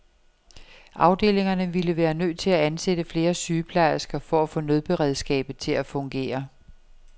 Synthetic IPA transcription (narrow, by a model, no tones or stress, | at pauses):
ʔɑ̈ʊd̥e̝̰ːle̝ŋɐnəʋiləʋæːɐnø̰ðːt͡sʰe̝læænsed̥əfle̝ːɐsyːpʰlɑ̈ɪɐsɡ̥ɐfɒ̽æfɔ̰̽ːnøð̞ˠb̥e̝ʁɛð̞ˠsɡ̥ɛ̰ːb̥ð̩ˠt͡sʰe̝læfɔ̽ŋɡ̥e̝̰ːɐ